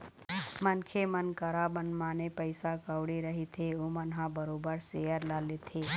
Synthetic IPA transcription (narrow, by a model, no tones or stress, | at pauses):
mənkʰemənkəɾabənmaːnepəɪsakəwɽeɾɐɦit̪ʰeoːmənɦãbəɾoːbəɾsejəɾlaːlet̪ʰeː